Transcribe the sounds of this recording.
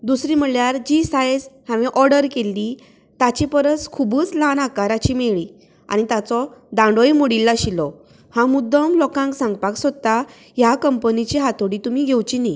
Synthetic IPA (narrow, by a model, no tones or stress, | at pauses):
d̪usɾim̤əɭjaɾd͡ʑisajd͡zhãʋiʔɔɾɽəɾkelːi | t̪at͡ɕipəɾət͡skʰubuːt͡slanakaɾat͡ɕimeɭi | a̰ñit̪at͡sɔd̪ãɳɖojmoɽilːaɕilɔ | hãmud̪ɔmlɔkãŋksãŋɡpaksɔt̪ːa | jakəmpənit͡ɕiɦat̪ʰoɽit̪umiɡʱewt͡ɕini